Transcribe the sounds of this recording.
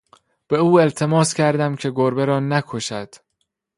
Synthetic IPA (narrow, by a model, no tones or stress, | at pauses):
b̥e̞uːe̞lt̪ʰe̞mɒːscʲʰæɾd̪æmcʰe̞ɡoɾbeɾɒːnækʰoʃæd̪̥